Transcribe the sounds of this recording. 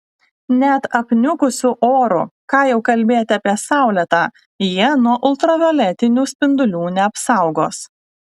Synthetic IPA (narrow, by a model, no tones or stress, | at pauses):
nʲɛt̪ɐpʲnʲʊkʊsʲuʔoːɾṵːˑkɑːjɛʊkɐlʲbʲeːjt̪ʲɑːpʲiɛsɑˑʊlʲɛt̪ɑː | jiɛnuɔʔʊlˠt̪ɾɐʋʲɛlʲɛt̪ʲɪnʲuːsʲpʲɪnd̪ʊlʲuːnʲɛɐpsɑˑʊɡoːs